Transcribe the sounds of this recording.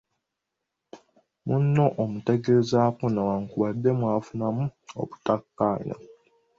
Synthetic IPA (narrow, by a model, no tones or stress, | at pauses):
munːo̞ʔomute̞ɡeɾezakunawaŋkuβadːe̞mwaːfunamuo̰βutakːaːɲa̰